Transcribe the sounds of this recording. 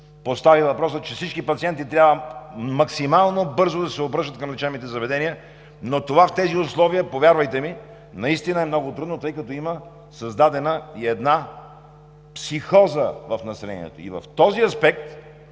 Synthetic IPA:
post̪avivɐpɾɔsət͡ʃɛfsit͡ʃkipɐt̪siɛnt̪it̪ɾʲjabvəmɐksimalˠnobɤɾzod̪ɐsɛobɾɤʃt̪ət̪kɐmlɛt͡ʃɛvmit̪ɛzɐvɛd̪ɛniə | not̪ovaft̪ɛziʊslˠɔvijəpovjaɾvɐjt̪ɛmi | nɐist̪inəɛmnɔɡʊt̪ɾud̪not̪ɤjkɐt̪ɔimə | sɐzd̪ad̪ɛnəiɛd̪na | psixɔzəvɐfnɐsɛlɛ̰nḭɛ̰t̪o̰ḭvɐ̰ft̪ɔziɐspɛk̚t̪

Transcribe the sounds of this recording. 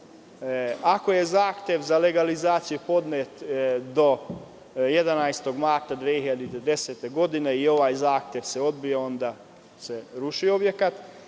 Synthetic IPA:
ako̞je̞zaːxt̪ʲje̞ʋzale̞ɡalizaːt̪sijupo̞d̪neːt̪d̪o̞ | jed̪anajst̪o̞ɡmaɾt̪ad̪ʋeːiʎad̪it̪ed̪e̞seːt̪e̞ɡo̞d̪ine̞io̞ʋaːjzaːxt̪jeʋse̞o̞d̪bijeo̞nd̪a | se̞ɾuʃio̞bje̞kat̪

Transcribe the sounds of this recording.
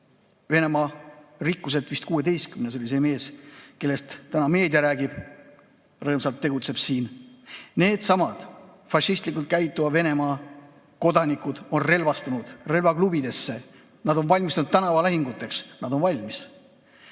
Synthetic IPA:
ve̞ne̞mɑrikˑːus̬et̪vist̪̚kuːe̞d̪e̞jst̪kymnes̬o̞lʲise̞me̞ːske̞lːe̞st̪ːænɑme̞ːd̪̥ʲjɑɾæːɡ̥ib̥ | rɤːmsɑlt̪ːe̞ɡut̪se̞b̥siːnne̞ːd̪̥sɑmɑd̪̥ | fɑʃist̪likˑult̪̚kæjt̪ːˑuvɑve̞ne̞mɑ | ko̞d̪ɑnikud̪̥o̞nre̞lvɑst̪unud̪̥re̞lvɑklub̥id̪e̞sːe̞ | nɑd̪o̞nvɑlʲmist̪ɑnut̪t̪ːænɑvɑlæɦiŋɡut̪ːˑe̞ksnɑd̪o̞nvɑlʲmis

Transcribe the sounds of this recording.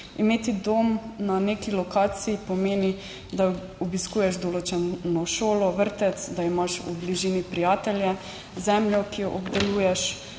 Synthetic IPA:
imeːt̪id̪omnanekilɔkaːt̪sijipɔmeːni | d̪a | ɔbiskuːjɛʃd̪ɔloːt͡ʃɛnɔʃoːlɔʋəɾt̪ɛt̪sd̪aimaʃṵbliʒiːnipɾijaːt̪ɛljɛ | zɛmljɔkijɔʔɔbd̪ɛluːjɛʃ

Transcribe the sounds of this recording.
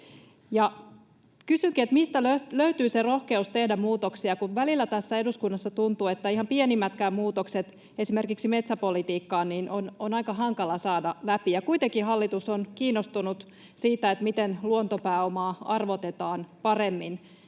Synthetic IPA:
jɑ | kysyŋkiet̪mist̪æløløyt̪yːsero̞hke̞ust̪e̞hdæmmuːt̪oksiɑkuʋʋælilːæt̪æsːæe̞duskunːɑsːɑt̪unt̪uːet̪ːæihɑmpienimːæt̪kæːmmuːt̪okset̪ | e̞sime̞rkiksime̞t̪sæpo̞lit̪iːkːɑːnniːnʔononɑikɑɦɑŋkɑlɑsɑːdɑlæpijɑkuit̪eŋkiɦɑlːit̪usonkiːnːost̪unut̪ | siːt̪æet̪mit̪enluont̪opæːomɑːɑrʋot̪et̪ɑːnpɑre̞mːin

